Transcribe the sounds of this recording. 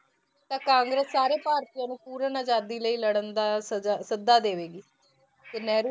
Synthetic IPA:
t̪ãːkãːŋɡɾəsːaːɾeːpaːɾt̪iːjãːnũːpuːɾənad͡ʒaːd̪iːləiːləɽənd̪aːsasəd̪ːaːd̪eːʋeːɡiː | t̪eːnɛːɾ

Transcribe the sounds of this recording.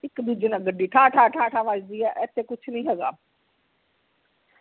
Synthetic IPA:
ɪkd̪uːd͡ʒənãːɡəɖːiːʈʰaːʈʰaːʈʰaːʈʰaːʋaːd͡ʒd̪iːɛːʔɛt̪ʰːeːkʊt͡ʃʰnəĩːɦɛːɡa̰ː

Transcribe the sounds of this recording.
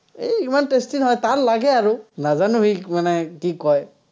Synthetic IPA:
ejimantestinɦɔjt̪aɹlaɡɛaɹunazanuɦimanɛkikɔj

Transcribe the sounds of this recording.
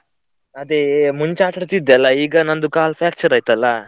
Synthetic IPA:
ɐd̪emuɲt͡ʃaːʈɐɾt̪id̪ːɛlːɐiːɡɐnɐnd̪ukaːlpʰjaːk̚t͡ʃɐɾaːjt̪ɐlːɐ

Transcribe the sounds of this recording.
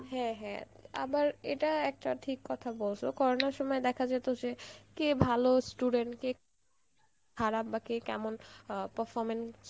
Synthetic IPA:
ɦɛ̃ɦɛ̰̃a̰baɾḛʈaɛk̚ʈaʈʰikːɔt̪ʰabolʃʰokɔɾonaɾʃɔmɔed̪ɛkʰad͡ʑet̪od͡ʑekebʱalosʈuɖeɳʈke | kʰaɾapbakekɛ̰monpəɾfɔɾmens

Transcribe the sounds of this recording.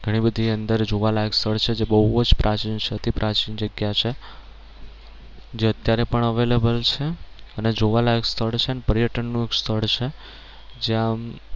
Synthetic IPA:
ɡʱəɽ̃ibəd̪ʱiənd̪əɾd͡ʒoʋalaekst̪ʰəɭt͡ʃʰed͡ʒebəɦuod͡ʒpɾʔat͡ʃint͡ʃʰeət̪ʰipɾʔat͡ʃind͡ʒəɡjat͡ʃʰe | d͡ʒeət̪jaɾepəɳəʋelebəlt͡ʃʰeəned͡ʒoʋalaekst̪ʰəɭt͡ʃʰeənepəɾjəʈənːũekst̪ʰəɭt͡ʃʰe | d͡ʒeã

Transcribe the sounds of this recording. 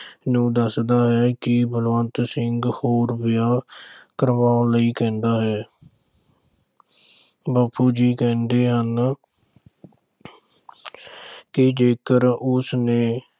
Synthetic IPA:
nũːd̪əsd̪aːɦɛːkɪbəlʋə̃ːnt̪sɪŋɡhoːɾbɪjaːkəɾʋãːləiːkɛ̃ːnd̪aːɦɛː | baːpuːd͡ʒiːkɛ̃ːnd̪eːɦən | kɪd͡ʒeːkəɾʊsneː

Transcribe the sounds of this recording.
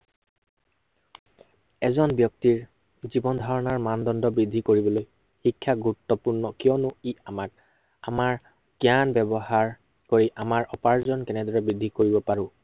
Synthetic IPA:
ɛzɔnbjɔk̚tiɹ | zibɔndʱaɹɔnaɹmandɔndɔbɹidʱːikoɹibɔloj | xikʰːaɡuɹutːɔpuɹnɔkijɔnʊiamat | amaɹ | kjanbɛbɔhaɹ | koɹiʔamaɹʔɔpaɹzɔnkɛnɛdɔɹɛbɹidʱːikoɹibɔpaɹʊ̃

